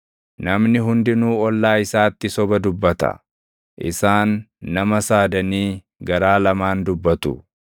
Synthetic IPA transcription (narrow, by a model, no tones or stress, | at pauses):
nɐmnɪɦʊnd̪ɪnuːɔlːaːɪsaːt̪ːɪsɔbɐd̪ʊbːɐt̪ɐ̰ | ʔɪsaːnːɐmɐsaːd̪ɐniː | ɡɐɾaːlɐmaːnd̪ʊbːɐt̪ʊ